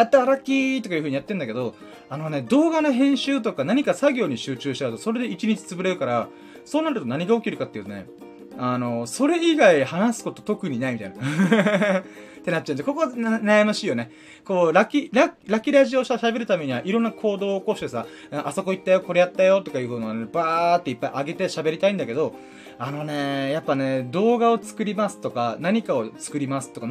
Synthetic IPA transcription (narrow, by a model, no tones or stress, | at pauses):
at̪ːaɾakʲit̪okajiɯ̟ɯ̟ijat̪ːe̞ɯ̃nd̪aked̪o̞ | ano̞ne̞d̪o̞ːɡanoɦẽ̞ɰ̃ɕɨːt̪o̞kanaɲ̟ikasaɡʲo̞ːɲ̟iɕɨːt͡ɕɨːɕi̥t̪at̪o̞so̞ɾe̞d̪e̞it͡ɕiɲ̟it͡ɕi̥t͡sɨbɯ̟ɾe̞ɾɯ̟kaɾa | so̞ːnaɾɯ̟t̪o̞naɲ̟iɡaokʲiɾɯ̟kat̪ːeiɯ̟t̪one̞̰ | ano̞so̞ɾe̞iɡaihanasɨ̥ko̞t̪o̞t̪o̞kɯ̟ɲ̟inaimʲit̪a̰ijna | t̪ːe̞natt͡ɕːaɯ̃ndako̞ko̞najamaɕiːjo̞ne̞ | ko̞ːɾakʲiɾaɾakʲiɾaʑio̞ːɕit̪aɕabe̞ɾɯ̟t̪ame̞ɲ̟iβaʔiɾõ̞nːakʰo̞ːd̪o̞ːko̞ɕi̥t̪esa | ɯ̃ʔaso̞ko̞it̪ːajo̞ko̞ɾe̞jat̪ːajo̞t̪o̞kajɯ̟ːkonoanebaːt̪ːe̞ipːaiʔaɡe̞t̪eɕabe̞ɾʲit̪aĩnd̪ake̞d̪o̞ | ano̞ne̞japːane̞d̪o̞ːɡaot͡sɨ̥kɯ̟ɾʲimasɨ̥t̪o̞kanaɲ̟ikao̞t͡sɨ̥kɯ̟ɾʲimasɨ̥t̪o̞ka